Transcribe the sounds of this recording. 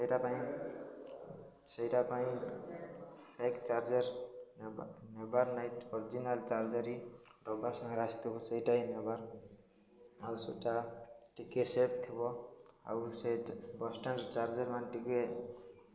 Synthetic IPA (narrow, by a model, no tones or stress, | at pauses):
səjɾapaĩ | səɦiɾapaĩ | pʰekt͡ʃaɾd͡ʒeɾ | nebaɾnajʈɔɾid͡ʒinalt͡ʃaɾd͡ʒəɾiɖɔbasʌ̃ŋɡɾast̪ʰibɔsəɦjʈaĩnebaɾ | awseʈaʈikesep̚t̪ʰibɔa̰wsbɔsʈənt͡ʃaɾd͡ʒəɾmanʈike